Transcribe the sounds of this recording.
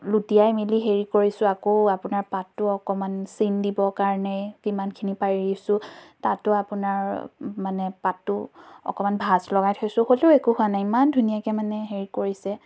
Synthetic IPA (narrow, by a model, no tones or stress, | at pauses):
lutijajmiliɦeɹikoɹisʊakoapʊnaɹpatːʊɔkɔmansindibɔkaɹnɛkimankʰinipaɹisʊ̃tatʊapʊnaɹmanɛpatːʊɔ̰kɔmanbʱaslɔɡajtʰojsʊ̃holeʊekuhʊanajimandʱunijakɛmanɛɦeɹikoɹisɛ